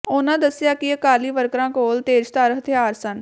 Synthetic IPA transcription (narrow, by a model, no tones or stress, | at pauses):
ʊnãːd̪əsɪjaːkɪəkaːliːʋəɾkɾãːkoːlt̪eːd͡ʒt̪aːɾəɦət̪ʰɪaːɾsən